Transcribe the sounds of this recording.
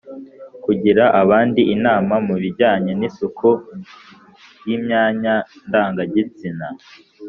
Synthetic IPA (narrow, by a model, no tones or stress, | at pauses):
kuɟiɾaʔaβaːndiʔinaːmamuβiɾɟaːɲe̞nisukʰu | jimɲaːɲandaːŋɡaɟit͡sina